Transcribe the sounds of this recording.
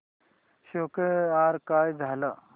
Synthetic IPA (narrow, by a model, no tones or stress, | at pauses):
ɕokeaɾkajd͡zʱala